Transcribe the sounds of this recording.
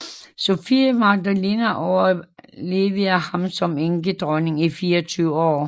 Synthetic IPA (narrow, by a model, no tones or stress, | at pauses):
so̝fimɑ̈ɡ̚d̥ælinɐʔɒʊɐle̝ːʋəɐhɑ̈msɒ̽meŋɡ̥əd̥ʁɔne̝ŋifiːɐɒt͡sʰyːʊəɒ̰ː